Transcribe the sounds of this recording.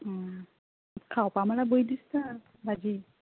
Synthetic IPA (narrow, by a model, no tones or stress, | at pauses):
kʰawpamalabojdista | bad͡ʒi